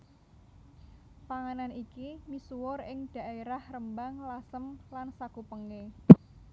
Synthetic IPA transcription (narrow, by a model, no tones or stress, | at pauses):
paŋananikimisuwʊɾɪŋd̥a̤ʔeɾahrəmbaŋlasəmlansakupəŋe